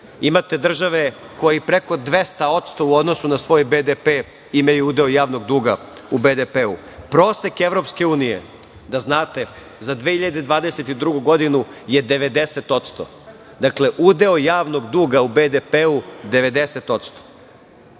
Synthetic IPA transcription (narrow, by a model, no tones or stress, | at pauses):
imat̪e̞d̪r̩ʒaʋe̞ko̞jipɾeko̞d̪ʋe̞st̪ao̞t̪st̪o̞uo̞d̪no̞sunasʋo̞ːjbed̪epeː | imajuud̪eojaːʋnoɡd̪uːɡa | ubed̪epeu | pɾo̞ːsekeʋɾo̞pske̞uːnijḛ | d̪aznaːt̪e̞ | zad̪ʋeːhiʎad̪e̞d̪ʋaːd̪eset̪id̪ɾuɡuɡo̞d̪inuje̞d̪e̞ʋe̞d̪e̞set̪o̞t̪st̪o̰ | d̪akle̞ʔud̪e̞ojaːʋno̞ɡd̪uːɡaubed̪epeud̪e̞ʋe̞d̪eset̪o̞t̪st̪o̥